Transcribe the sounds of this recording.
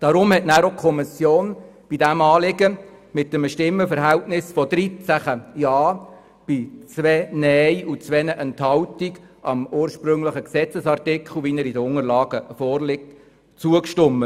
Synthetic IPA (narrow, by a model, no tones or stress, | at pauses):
d̥ɑɾʊmhɛtnæːɾokʰɔmɪsjoːnb̥idæmɑːlɪɡəmɪtːəməʃtɪmːəfəɾɦɛltnɪsfɔd̥̪ɾit͡sæχəjɑː | b̥it͡sʋɛnɛjut͡sʋɛnəʔɛnthɑwtiɡ | ʔɑmuːəɾʃpɾʏŋləχəksɛt͡səsɑrtɪkʰχl̩ʋiːnəɾidəʊŋəɾlɑːɡ̥əfɔːrlɪk̚t | t͡suəkʃtʊmːə